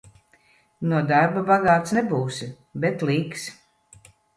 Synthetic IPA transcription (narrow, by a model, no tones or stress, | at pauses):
nuɔd̪aɾbabaɡaːt̪snɛbuːsi | bɛt̪liːks